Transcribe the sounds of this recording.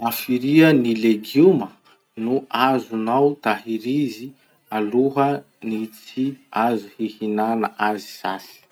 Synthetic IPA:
afiɾiənileɡumə | nuʔazunawt̪aɦiɾizi | aluɦə | nit͡siazuhihinanəʔazi̥sa̰si̥

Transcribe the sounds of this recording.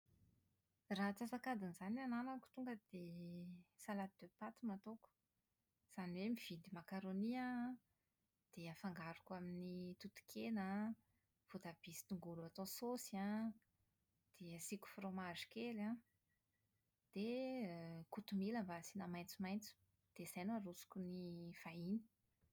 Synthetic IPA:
rat͡sasakad̪inizanananaku̥t̪uŋɡəd̪̥e | salat̪̚d̪̥øpat̪umat̪oku̥ | z̥aniwemiv̥id̪imakaɾonia | d̪̥eafaŋɡaɾukaminit̪ut̪u̥kʰenə | v̥ut̪ab̥isi̥t̪uŋɡuluat̪ososiã | d̪̥eəsikʲu̥fromaʐi̥kela | d̪̥e | kut̪umiləmbasinamajnt͡sumajnt͡su̥ | d̪̥ez̥ajnuaɾusu̥kunifaini̥

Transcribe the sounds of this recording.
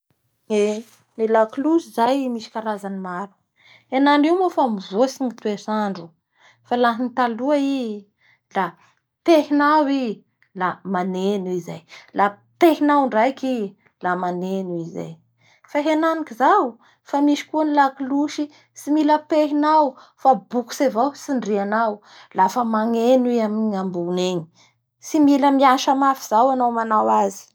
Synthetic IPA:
ne | nelakluʃizajmiʃi̥kaɾazanimaɾu̥ | henaɳɖ͡ʐiwmofamivusiŋit̪uesaɳɖ͡ʐu | falaɦinit̪aluai | la | peɦinawi | lamanenuiza̰jla | peɦinawɳɖ͡ʐajki | lamanenuiza̰j | faɦenanikizaw | famiʃi̥kuanilakiluʃi | similəpeɦinawfabuku̥sevawsinɖ͡ʐianaw | lafəmaŋeniaminiŋambuneɲi | similəmiaʃamafiz̥awanawmanawazi̥

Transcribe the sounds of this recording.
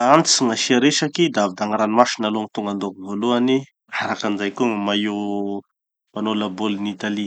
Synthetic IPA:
ant͡siŋaʃiaɾeʃakid̪aavid̪aŋaɾanimaʃinaloŋit̪uŋɡand̪okivoluani | aɾakand͡ʒajkuŋəmai | manolabolnit̪ali

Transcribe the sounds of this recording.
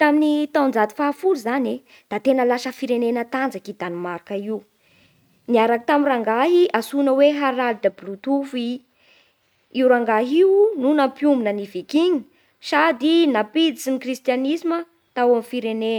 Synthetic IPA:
t̪aminit̪awnd͡zat̪i̥faːfuluzane | d̪̥at̪enəlaʃəfiɾenenət̪and͡zakid̪animaɾakəiu | niaɾakit̪amiraŋɡaɦiʔasunəweɦaɾalid̪ablut̪ufi | iuɾaŋɡaɦiununampjumbinənivikiɲi̥ | sad̪inapid̪it͡sinikrist̪janisimə | t̪awamifiɾene

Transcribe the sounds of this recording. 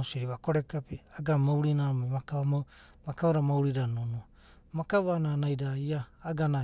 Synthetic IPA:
osiɾiβakoɾekapiaɡamawɾinaɾomamakaβamo | makawaɾamawɾiɾanonua | makaβananajdaiaːɡana

